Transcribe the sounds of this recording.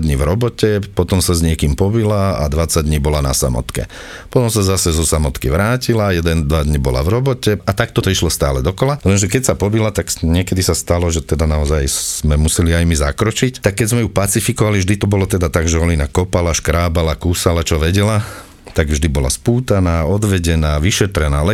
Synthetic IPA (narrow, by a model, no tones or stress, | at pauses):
d̪ɲiʋɾɔbɔcɛpɔt̪ɔmsazɲɪɛkiːmpɔbilaa̰d̪ʋat͡saɟ̚d̪ɲiːbɔlana̰sa̰mɔ̰t̪kɛ̰ | pɔt̪ɔmsazasɛzɔsamɔt̪kiʋɾaːcilajɛd̪ɛnd̪ʋad̪ɲibɔla̰ʋɾɔbɔcɛat̪akt̪ɔt̪ɔiʃlɔst̪a̰ːlɛd̪ɔkɔlalɛnʒɛkɛcsapɔbilat̪akɲɪɛkɛd̪isast̪alɔʒɛt̪ɛd̪anaɔzajz̥mɛmusɛliajmizakɾɔt͡ʃict̪akːɛɟzmɛjupat͡sifikɔʋalivʒd̪it̪ɔbɔlɔt̪ɛd̪at̪aɡʒɛɔlinakɔpalaʃkɾaːbalakuːsalat͡ʃɔʋɛɟɛla | t̪aɡvʒd̪ibɔla̰spuːt̪anaːɔd̪ʋɛɟɛnaːʋiʃɛt̪ɾɛnaːlɛ